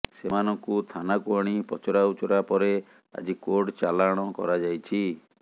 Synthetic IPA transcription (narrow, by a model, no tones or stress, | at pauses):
semanɔŋkut̪ʰanakuɔɽ̃ipɔt͡ʃɔɾaut͡ʃɔɾapɔɾe | a̰d͡ʒikoɖt͡ʃalaɽ̃ɔkɔ̰ɾad͡ʒajt͡ʃʰi